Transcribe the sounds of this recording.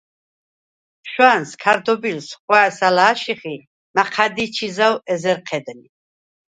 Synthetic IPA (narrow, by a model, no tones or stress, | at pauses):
ʃwaːnskʰaɾd̪ɔbilsχwaːsalaːʃiχi | maqʰad̪it͡ʃʰizawɛzɛɾqʰɛd̪ni